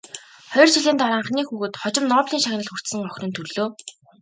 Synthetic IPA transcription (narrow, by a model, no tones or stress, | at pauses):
χɔjɞ̆rt͡ɕʰiɮiːnt̪aɾaːɴχniːxuːɣuːt̪χɔt͡ɕɪ̆mnɔːpɮiːŋʃaɣʲnə̆ɮxur̥t̪sɘ̆ŋɔxʲnɵ̆nt̪ʰɵrɮoː